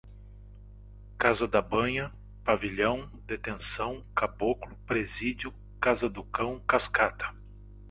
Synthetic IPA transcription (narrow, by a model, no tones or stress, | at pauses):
kazɐd̪ɐbɐ̃ɲɐ | paviʎɐ̃w̃ | d̪et̪ẽsɐ̃w̃kaboklʊpɾezid͡ʒjʊ | kazɐd̪ʊkɐ̃w̃kaskat̪ʰɐ̥